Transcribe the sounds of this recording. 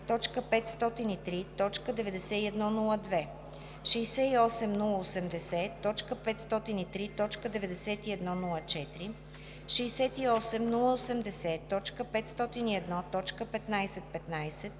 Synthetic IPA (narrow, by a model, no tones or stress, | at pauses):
t̪ɔt͡ʃkəpɛt̪st̪ɔt̪init̪ɾit̪ɔt͡ʃkəd̪ɛvɛd̪ɛsɛiɛd̪nɔnulˠəd̪vɛ | ʃɛjsɛiɔsɛmnulˠəosɛmd̪ɛsɛt̪ɔt͡ʃkəpɛt̪st̪ɔt̪init̪ɾit̪ɔt͡ʃkəd̪ɛvɛd̪ɛsɛt̪iɛd̪nɔnulˠət͡ʃɛt̪ɾi | ʃiːsɛt̪iɔsɛmnulˠəosɛmd̪ɛsɛt̪ɔt͡ʃkəpɛt̪st̪ɔt̪iniɛd̪nɔt̪ɔt͡ʃkəpɛt̪najsɛt̪̚pɛt̪najsɛt̪̚